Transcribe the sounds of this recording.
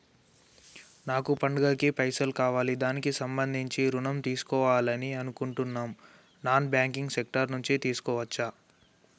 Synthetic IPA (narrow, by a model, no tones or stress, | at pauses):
naːkupɐɳɖɐɡɐːkipɐjsɐlkaːʋaːlid̪aːnikisɐmbɐnd̪ʱiɲt͡ʃiɾunɐmt̪iːsu̥kɔːʋaːlɐniɐnukuɳʈunːaːm | naːnbjaːŋkiŋɡsek̚ʈɐɾnuɲt͡ʃit̪iːsu̥kɔːʋɐt͡ʃːa